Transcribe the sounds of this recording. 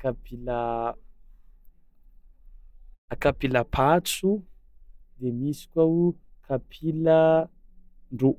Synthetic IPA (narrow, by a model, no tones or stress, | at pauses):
kapila | akapilapʰat͡su | d̪emisi̥kʲaukʰapʰila | ɳɖ͡ʐo